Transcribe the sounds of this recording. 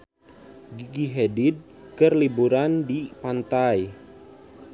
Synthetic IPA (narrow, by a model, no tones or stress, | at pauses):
ɡiɡiɦedid̪̚ | kərlibuɾandipant̪aj